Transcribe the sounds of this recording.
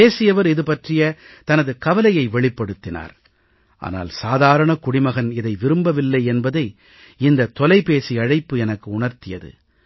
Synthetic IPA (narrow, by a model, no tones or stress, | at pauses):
eːsɪjɐʋɐɾɪðɯpɐʈrɪjɐt̪ɐnɐðɯkɐʋɐlɐjɐɪʋɛɭɪpːɐɽɯt̪ːɪna̰ːɾ | ʔa̰ːna̰ːlsaːðaːɾɐɳɐkʊɽɪmɐɣɐnɪðɐɪʋɪɾɯmbɐʋɪlːɐɪɛnbɐðɐɪ | ɪnd̪ɐt̪ɔlɐɪpeːsiɐɻɐɪpːɯɛnɐkːɯʊɳɐɾt̪ɪjɐ̰ðɯ̰